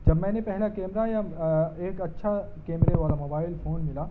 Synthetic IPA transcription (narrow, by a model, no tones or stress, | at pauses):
d͡ʒɐbmɛ̃ːnepɛɦlakeːmɾajaeːkɐtːʃʰa | keːmɾeɔːɾamoːbaːɪlpʰoːnmɪla